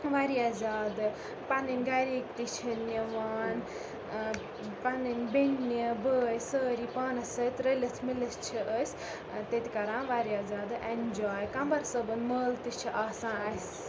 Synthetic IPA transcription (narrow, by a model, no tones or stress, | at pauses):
ʋaɾiaːzaːd̪ɨ | pɐninʲɡɐɾiːkt̪it͡ʃʰiniʋaːn | pɐninʲbinːibəːjsəːɾipaːnɐsət̪ɾelɐt͡s̪ʰmilɐst͡ʃʰiəsʲ | t̪et̪ʲʰikɐɾãːnʋaɾiaːzaːd̪ɨʔend͡ʒaːjkɐmbɐɾsəbɐnməːlt̪it͡ʃʰiʔaːsãːnɐsʲ